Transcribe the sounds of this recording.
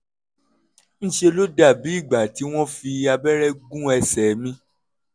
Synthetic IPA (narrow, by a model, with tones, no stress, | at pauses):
ñ̩˦ʃe˧lo˦da˦˨bi˨˦i˦˨ɡ͡ba˨ti˨˦w̃ɔ̃˦fi˧a˧bɛ˦ɾɛ˦ɡũ˦ɛ˧sɛ˨mĩ˦